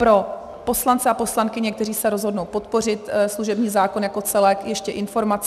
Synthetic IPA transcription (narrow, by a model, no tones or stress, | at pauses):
pɾo̞ | po̞slant͡sɛapo̞slankɪɲɛkt̪ɛriːsɛɾo̞zɦodnowpo̞t̪po̞r̝ɪt̪sluʒɛbɲiːzaːkonjako̞t͡sɛlɛkjɛʃcɛʔɪnfo̞ɾmat͡s